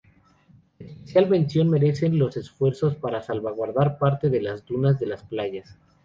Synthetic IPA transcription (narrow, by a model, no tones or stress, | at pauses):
espesjalβẽ̞nsjo̞nme̞ɾe̞se̞nlo̞se̞sfwe̞ɾso̞spaɾasalβaɣwaɾðaɾpaɾt̪e̞ðe̞lazd̪unazðe̞lasplaʝas